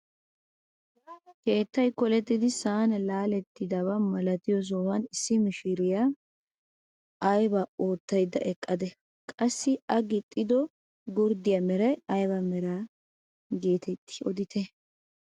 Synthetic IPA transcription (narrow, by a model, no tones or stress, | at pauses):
ke̞ːt̪ːɐjkɔlɛt̪ːɪd̪ɪsaːnɐlaːlɛt̪ːɪd̪ɐβɐmɐlɐt̪ɪjɔs̬ɔwɐnɪsːɪmɪʃɪɾɪja | ɐjbɐoːt̪ːɐjd̪ɐ̰ʔɛkʼːɐd̪ɛ | kʼɐsːɪɐɡɪt̪ʼːɪd̪ɔ | ɡʊɾd̪ɪjɐmɛɾɐjɐjbɐmɛɾaː | ɡe̞ːt̪ʰɛt̪ːɪ̥ɔd̪ɪt̪ʰɛ